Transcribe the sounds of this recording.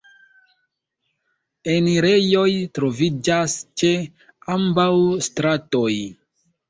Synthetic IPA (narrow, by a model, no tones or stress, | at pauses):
eniɾe̞jo̞jtɾo̞vid͡ʒast͡ʃe̞ | ambawstɾatoj